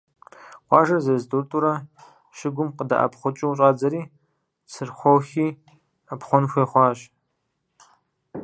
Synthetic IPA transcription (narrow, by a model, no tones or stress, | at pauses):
qʷɑːʒɐzɐzdurtʼuɾɐ | ʃɪɡʷʊmqəda̰ʔɐ̰pχʷʊt͡ʃʼɪwɕʼɑːd͡zɐɾiː | sʰɨrχʷɔwxiː | apχʷɔnxʷeːχʷɑːɕ